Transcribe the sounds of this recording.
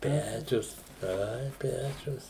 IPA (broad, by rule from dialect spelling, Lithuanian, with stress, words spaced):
ˈpʲæːt͡ʃʲʊs ˈɐɪ ˈpʲæːt͡ʃʲʊs